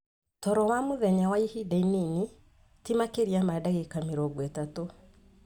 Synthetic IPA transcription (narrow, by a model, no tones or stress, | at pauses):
tɔɾɔwamoðɛɲawaihidainini | timakeɾiamadaɣekameɾɔɡwɛtato